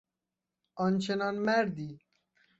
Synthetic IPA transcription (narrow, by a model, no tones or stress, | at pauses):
ɔnt͡ʃenɔnmæɾd̪i